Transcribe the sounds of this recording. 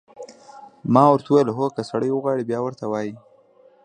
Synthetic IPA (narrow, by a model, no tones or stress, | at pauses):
mɑwəɾt̪wajlɦokəsaɽəjwəɣwɑɽibjɑwəɾt̪awɑji